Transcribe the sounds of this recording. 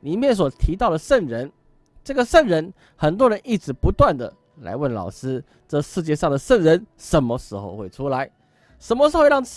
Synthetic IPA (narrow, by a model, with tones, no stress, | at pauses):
li˨˩mjɛ˥˨˩ns̬wɔ˨˩t̪ʰi˧˥t̪ɑ˥˩ʊd̪ə˩ʂə˥˩nɻə˧˦n | ʈ͡ʂɤ˥˩ɡə˩ʂə˥˩nɻə˧˥n | xə˨˩nt̪wɔ˦˥ɻə˧˦ni˥˩ʈ͡ʂɻ̩˧˥pu˧˥t̪wa˥˨nd̪ə̰˩ | la̰˧˥ɪwə˥˩nlɑ˨˩ʊʂɹ̩˥ | ʈ͡ʂɤ˥˧ʂɻ̩˥˧t͡ɕjɛ˥˧ʂɑ˥˩ŋd̪ə˩ʂə˥˩ŋɻə˧˦˥nʂə˨˥˦nmə˧ʂɻ̩˧˥xo̰˧ʊxwe˥˩ɪʈ͡ʂʰu˥la˧˦ɪ | ʂə˧˥nmə˧ʂɻ̩˧˥xo˥˧ɻɑ˥˧ŋ